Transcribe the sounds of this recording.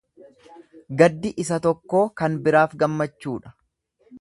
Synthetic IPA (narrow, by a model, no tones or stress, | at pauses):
ɡɐd̪ːɪʔɪsɐt̪ɔkːo̞ːkɐnbɪɾaːfɡɐmːɐt͡ʃːuːᶑɐ̥